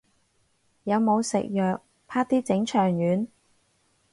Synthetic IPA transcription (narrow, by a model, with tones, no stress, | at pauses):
jɐ˨˧wmo˨˧wsɪ̰˨k̚jœː˨k̚ | pʰaː˥t̪iː˥t͡sɪ˨˥ŋt͡ʃʰœː˨˩ŋjyː˨˥n